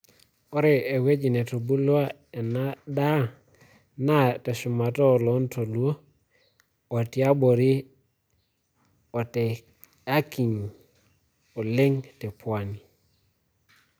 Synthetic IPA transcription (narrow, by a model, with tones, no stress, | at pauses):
o˦ɾe˨e˨we˦d͡ʒi˨ne˨to˨bu˦lwa˦ | e˨na˦da˦ | na˦te˨su˨ma˨to˦˨lo˦nto˨lu˦o˦ | o˨ti˦a˦bo˨ɾi˦ | o˨te˨ | a˦ki˨ŋ | o˨le˦ŋte˨pwa˨ni˨